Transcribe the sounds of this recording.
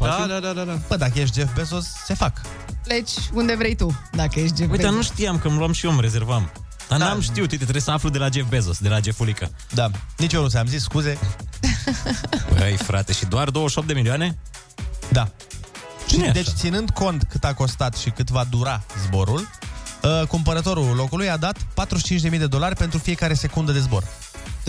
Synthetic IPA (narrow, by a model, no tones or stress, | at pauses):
p̪ad̪ad̪ad̪ad̪abəd̪ak̬əjeʃ̬t̪̚d͡ʒefbe̞zosːe̞fak | let͡ʃʲund̪e̞vɾejt̪ud̪akəjeʃ̬t̪d͡ʒeuj̪anuʃt̪ijamkəmluamʃiomɾe̞ze̞rvam | d̪̥anamʃt̪iwt̪it̪et̪ɾejsəaflud̪e̞lad͡ʒe̞fbezosd̪elad͡ʒe̞fulikə | d̪anit͡ʃoɾus̬eamzisskuze̞ | bəjfɾat̪e̞ʃid̪oard̪owəʃop̚t̪d̪emilioane̞ | d̪a | t͡ʃied̪et͡ʃt͡ʃt̪sinɨnd̪ko̞nt̪kɨt̪ako̞st̪at̪ʃikɨt̪vad̪uɾazbo̞ɾuləkumpəɾət̪o̞ɾulo̞kulujad̪at̪pat̪ɾuʃi̥t͡ʃint͡ʃʲd̪e̞mijd̪e̞d̪o̞larʲpe̞nt̪ɾufije̞kaɾe̞se̞kund̪əd̪e̞zbo̞r